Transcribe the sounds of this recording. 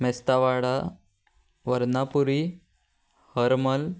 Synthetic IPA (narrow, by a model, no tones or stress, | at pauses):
mɛst̪aʋaɽa | ʋəɾnapuɾi | həɾməl